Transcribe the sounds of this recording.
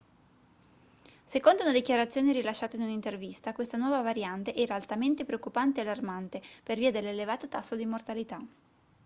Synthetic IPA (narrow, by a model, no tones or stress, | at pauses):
sekond̪ounad̪ikjaɾat̪sːjoːneɾilaʃːaːt̪ainunint̪ervist̪akwest̪anwɔːvavaɾjant̪eʔɛːɾaːlt̪ament̪epɾeokːupant̪ealːarmant̪eperviːad̪elːelevaːt̪ot̪asːod̪imːort̪alit̪a